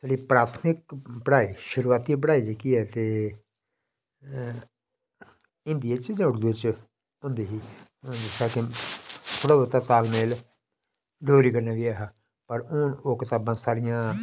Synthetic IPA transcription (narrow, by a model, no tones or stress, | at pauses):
t͡ʃəliːpɾaːt̪ʰmɪk̚pəɽaːiːʃʊɾuːaːt̪iːbəɽaːilekiːɛːt̪eː | ɪ̃nd̪ɪjaːt͡ʃiːzãːʊɽd̪ɪt͡ʃ | ʊ̃ːnd̪eːɦiːd͡ʒɪsaːkɪt̪ʰoːɽaːot̪aːt̪aːlmeːl | ɖoːɾiːkəɾnaːɡiaːɦaː | pəɾʊnoːkɪt̪aːbãːsaːɾɪjãː